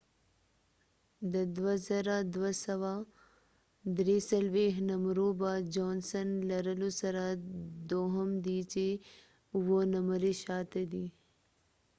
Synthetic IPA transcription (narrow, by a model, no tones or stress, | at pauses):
d̪ɐd̪ʋɐsɐɾaːd̪ʋɐsɐʋaː | d̪ɾiːsɐlʋeːɦnɐmɾuːbaːd͡ʒɔːnsɐnlɐɾɐlusɐɾaːd̪oːɦɐmd̪iːt͡ʃe | ʋonɐməɾiʃaːt̪ed̪i